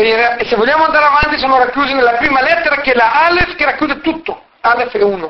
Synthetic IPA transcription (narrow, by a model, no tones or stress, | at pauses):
eeɾaesevoʎjaːmoand̪aɾeavant̪is̬oːnorakjuːzinelapɾiːmalɛt̪ːeɾakelaalefkeɾakjuːd̪et̪ut̪ːo | alefɛuno